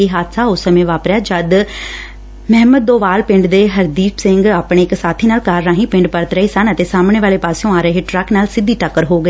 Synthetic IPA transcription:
eːɦaːt̪saːʊsəmẽːʋaːpɾjaːd͡ʒəd̪ | mɛɦməd̪̚ːoːʋaːlpɪ̃ɳɖd̪eːɦəɾd̪iːpsɪŋɡaːpɽ̃eːɪksaːt̪ʰiːnaːlkaːɾːãːɦĩːpɪ̃ɳɖpəɾt̪ɾəeːsənət̪eːsaːmɳ̃eːʋaːleːpaːseõːaːɾeːɦeːʈɾəknaːlsɪd̪iːʈəkːəɾɦoːɡəeː

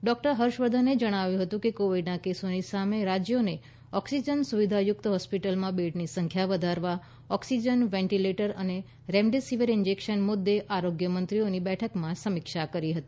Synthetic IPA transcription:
ɖɔk̚ʈəɾɦəɾʃʋəd̪ʱəned͡ʒəɽ̃aʋjũɦət̪ũkekoʋiɖnakesonisameɾad͡ʒjone | ɔksid͡ʒənsuʋid̪ʱajʊk̚t̪ɦɔspiʈəlmãbeʈnisəŋkʰjaʋəd̪ʱaɾʋa | ɔksid͡ʒənʋɛ̃ɳʈileʈəɾəne | ɾɛ̃mɖesiʋəɾɪnd͡ʒekʃənmʊd̪ːeʔaɾoɡjəmənt̪ɾionibɛʈʰəkmãsəmikʃakəɾiɦət̪i

